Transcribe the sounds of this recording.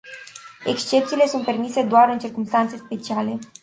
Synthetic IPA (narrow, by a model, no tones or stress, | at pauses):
e̞kst͡ʃe̞p̚t̪siːle̞sunt̪̚pe̞rmise̞d̪oaɾɨnt͡ʃirkumst̪ant̪sespe̞t͡ʃiale̞